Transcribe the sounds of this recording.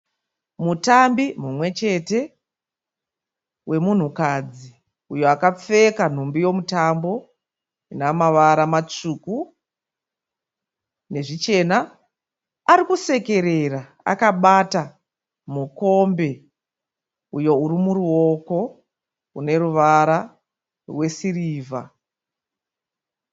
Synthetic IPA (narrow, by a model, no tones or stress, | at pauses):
mutambimumwe̞t͡ʃe̞te̞ | we̞mun̤ukad͡zi | ujo̞akap͡fe̞kan̤umbijo̞mutambo̞ | inamaʋaɾamat͡ʂuku | ne̞ʐit͡ʃe̞naː | ɾikuse̞ke̞ɾe̞ra | a̰kaɓata | muko̞mbe̞ | ujo̞urimuruo̞ko̞ | une̞ɾuʋaɾa | rwe̞siriːvʱa̰